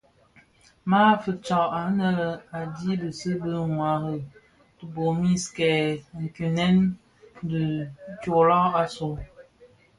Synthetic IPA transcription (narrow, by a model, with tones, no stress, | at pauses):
ma˦fə˨t͡ʃɔ˨ʔa˨˦nə˦lə˨a˨di˦bə˨sə˦bə˦ŋwa˨ɣə˨ | tə˨bo˨mi˦skɛ˨ŋ̩˨ki˨nɛ˦n | də˨˦t͡ʃo˨lɔ˦a˦so˨